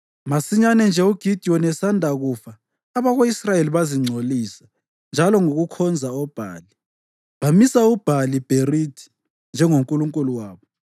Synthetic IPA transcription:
masiɲanɛnd͡ʒʱɛuɡ̥ʱid̥ʱiɔnɛsandʱaɣuːfaː | βaɣoisrajeliβaziŋ͡ǀʱoliːsḁ | nd͡ʒʱalɔŋoɣukʰɔnd͡zʱaɔb̥ʱa̰ːli | βamisaub̥ʱalib̥ʱerid̥ʱi̥ | nd͡ʒʱɛŋoŋkʼuluŋkʼuluwaːβɔ

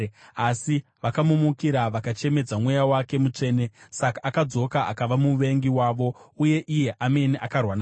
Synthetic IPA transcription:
asi | ʋakamumukiɾaʋakat͡ʃe̞me̞d͡zamwe̞jawake̞mut͡ʂe̞ːne̞sakaʔːkad͡zo̞kaʔa̰kaʋamuʋe̞ŋɡiwaːʋo̞uje̞ʔije̞ʔame̞niʔakarwana

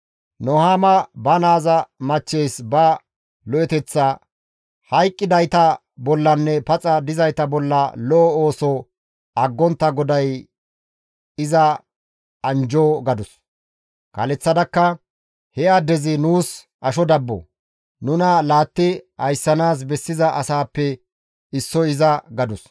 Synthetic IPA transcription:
nɔhaːmɐbɐnaːzɐmɐt͡ʃːejsbɐ | lɔʔɛt̪ɛt͡sːɐ | hɐjkʼːɪd̪ɐjt̪ɐ | bɔlːɐnːɛpɐt͡sʼɐd̪ɪzɐjt̪ɐbɔlːɐlɔʔɔoːsɔ | ʔɐɡːɔnt̪ːɐɡɔd̪ɐj | ɪzɐ | ɐnd͡ʒoːɡɐd̪ʊs | kɐ̰lɛt͡sːɐd̪ɐkːɐ | hɛjɐd̪ɛzɪnuːs | ʔɐʃɔd̪ɐbːɔ̰ | nʊnɐlaːt̪ːɪɐjsːɐnaːs̬bɛsːɪzɐʔɐsaːpːɛ | ɪsːɔɪzɐɡɐd̪ʊs

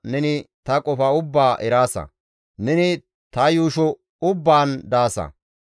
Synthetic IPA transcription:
nɛnɪt̪ɐkʼɔfɐʊbːaːʔɛɾaːsɐ̰ | nɛnɪ | t̪ɐjuːʃɔ | ʊbːaːnd̪aːsɐ̰

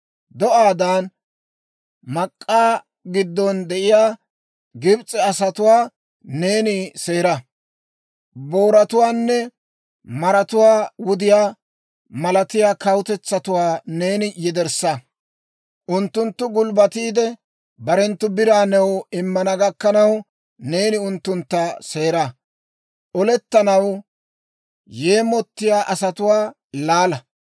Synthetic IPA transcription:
d̪ɔʔaːd̪ɐːn | mɐkʼːaː | ɡɪd̪ːɔnd̪ɛʔɪjaː | ɡɪbt͡sʼːɛɐsɐt̪ʊwaː | ne̞ːnɪse̞ːɾɐ | bo̞ːɾɐt̪ʊwaːnːɛ | mɐɾɐt̪ʊwaːwʊd̪ɪjaː | mɐlɐt̪ɪjaːkɐwʊt̪ɛt͡sːɐt̪ʊwaːne̞ːnɪjɛd̪ɛɾsɐ | ʔʊnt̪ːʊnt̪ːʊɡʊlbɐt̪iːd̪ɛ | bɐɾɛnt̪ːʊbɪɾaːnɛwɪmːɐnɐɡɐkːɐnɐw | ne̞ːnɪʊnt̪ːʊnt̪ːase̞ːɾa | ʔɔlɛt̪ːɐnɐw | je̞ːmɔt̪ːɪjaːʔɐsɐt̪ʊwaː | laːlɐ

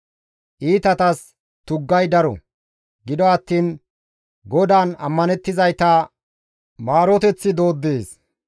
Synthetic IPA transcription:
ʔiːt̪ɐt̪ɐs | t̪ʊɡːɐjd̪ɐɾɔ̰ | ɡɪd̪ɔɐt̪ːiːn | ɡɔd̪aːnɐ̰mːɐnɛt̪ːɪzɐjt̪ɐ | maːɾɔt̪ɛt͡sːɪd̪o̞ːd̪ːeːs

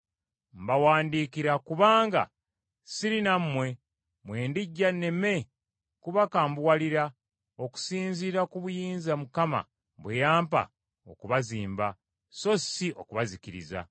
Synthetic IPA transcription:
m̩bawaːndiːkiɾakuβaːŋɡa̰ | siɾinamːwe̞ | mwe̞ːndiɟːane̞me̞ | kuβakaːmbwwaliɾa | oku̥siːnziːɾakuβujiːnzamukama̰ | βwejaːmpa̰ | o̞̰kuβaziːmba | so̞siʔo̞kuβazikiɾḭza̰

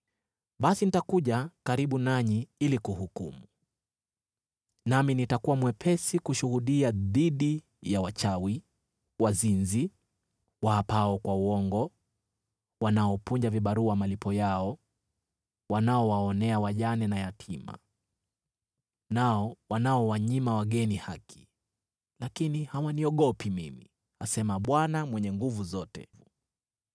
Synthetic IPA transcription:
ɓasinitakuʄakaɾiɓunaɲiilikuhukumu | naminitakuwamwɛpʰɛsikuʃuhuɗiaðiɗi | jawat͡ʃawi | wazinzi | waapaɔkwauwɔŋɡɔ | wanaɔpuɲd͡ʒaviɓaɾuamalipʰɔjaɔ | wanaɔwaɔnɛawaʄanɛnajatʰima̰ | naɔwanaɔwaɲimawaɠɛnihakʰi̥ | lakinihawaniɔɠɔpimimḭ | asɛmaɓwanamwɛɲɛŋɡuvuzɔtɛ̰vu

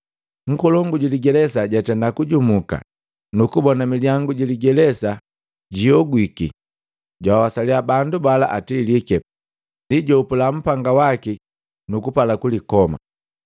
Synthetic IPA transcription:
ŋ̩kɔlɔŋɡuɟiliɡɛlɛsaɟatɛndakuɟumuka̰ | nukubɔnamiliaŋɡuɟiliɡɛlɛsa | ɟiɔɡwikḭ | ɟwawawasaliabandubala̰ʔatiːlikɛ | ndiɟɔupulam̩paŋɡawaki | nukupalakulikɔma̰

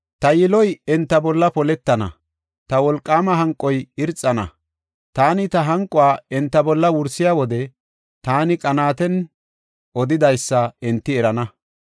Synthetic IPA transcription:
t̪ɐjɪlɔjɛnt̪ːɐbɔlːɐpɔlɛt̪ːɐnɐ̰ | t̪ɐwɔlkʼːaːmɐɦɐŋkʼːɔjɪɾt͡sʼːɐnɐ̰ | t̪aːnɪt̪ɐɦɐŋkʼːɔwaːɛnt̪ːɐbɔlːɐwʊɾsːɪjaːwɔd̪ɛ | t̪aːnɪkʼɐnaːt̪ɛn | ʔɔd̪ɪd̪ɐjsːɐɛnt̪ːɪɛɾɐnɐ

